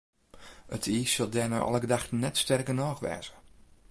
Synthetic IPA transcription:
ətʰiːsəlˠdɛːna̰ʔɑ̰lˠəɡədaxnɛtstɛrkənɔːxʋɛ̰ːzə

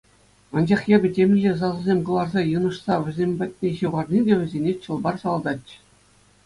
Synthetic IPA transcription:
ɑnd͡ʑɑχjebʲɘ̆tʲemʲnʲiʑʲes̬ɑzɤ̆zʲemʲkɤ̆lˠɑrzɑjɯ̆nɤ̆ʂsɑʋʲɘ̆zʲemʲbʲæt̚ʲnʲeɕɯʁɑrnʲidʲeʋʲɘ̆zʲenʲet͡ɕɤ̆lˠbɑrsɑlˠd̪ɑtʲɕɘ̥̆

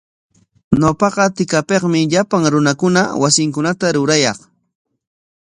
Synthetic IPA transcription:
ɲopɑqɑt̪ɪkapeqmɪʎapaŋɾʊnakʊna̰wasɪŋkʊnat̪aɾʊɾajɑχ

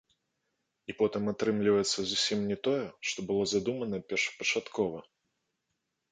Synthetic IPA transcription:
ipɔt̪ɨmat̪ɾɨmlʲivɐjɛt̪sːɐzusʲimnʲɛt̪ɔjɛʂt̪ɔbɨlˠɔzad̪umɐnɐpʲɛrʂɐ̥pɐt͡ʂat̪kʰɔvɐ

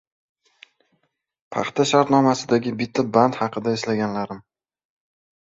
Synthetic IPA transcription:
pʰɑ̰χt̪ʰaʃaɾt̪nɒmasɪd̪aɡʲɪbɪt̪ʰːabant̪hɑqɨd̪aeslaɡʲanlaɾɪm

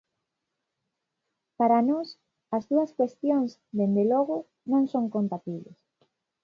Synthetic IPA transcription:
paɾanɔs | ɐzðuɐskwest̪joŋz | d̪end̪elɔɣʊ | nõŋsõŋkont̪at̪iβlḛs

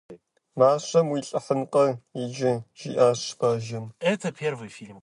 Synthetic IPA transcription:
maːɕɐmwiːɬʼɐħənqʼɐid͡ʒɪʒḭːʔaːɕbaːʒɐmɛt̪ʰɐpʲʰervɨjfʲilʲm

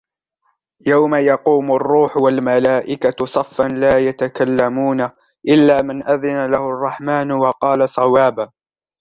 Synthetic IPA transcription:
jawmajɑquːmʊrˤːuːħʊwalmalaːʔɪkasˤɑfːanlaːjat̪akalːamuːna | ʔɪlːaːmɪnʔaðɪnalahʊɑrˤːɑħmaːnwɑqɑːlasˤɑwaːba

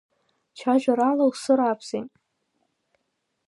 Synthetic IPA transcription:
t͡ʃʰaʒᶣʷaɾalawsɨɾapʰsetʼ

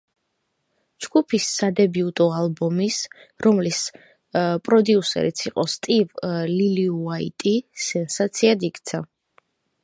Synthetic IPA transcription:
d͡ʒɡupʰisːad̪ɛbiut̪ʼɔalˠbɔmis | ɾɔmlis | pʼɾɔd̪iusɛ̰ɾit̪sʰiqʼɔst̪ʼivliliuaḭt̪ʼisɛnsat̪sʰiad̪ikʼt̪sʰa

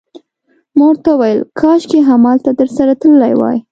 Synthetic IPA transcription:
moɽt̪awajəlkʰɑʃkeɦamɑlt̪at̪əɾsaɾat̪əllajwɑ̰j

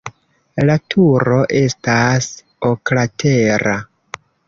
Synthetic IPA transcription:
latʰuɾo̞ʔe̞stas | oklatʰeɾa

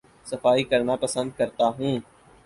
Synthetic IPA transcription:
səfaːikəɾnapəsə̃nd̪̚kəɾt̪aːɦẽː

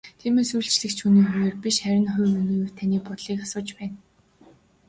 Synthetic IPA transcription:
t̪ʰiːmeːsuːɬt͡ɕɮɘ̆kt͡ɕʰuniːxueːrpiʃχæɾʲɪ̆nχʊjmenɵ̆ːjʊ̆wt̪ʰaniːpʊt̪ɮiːkasʊːt͡ɕpæːn

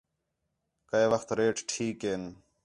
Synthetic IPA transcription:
kəeʋəxt̪ɾeːʈʈʰiːkeːn

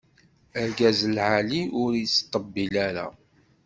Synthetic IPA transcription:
əɾɡæzəlʕaliʊɾjət͡sːt̪ˤːəbːilaɾa̰

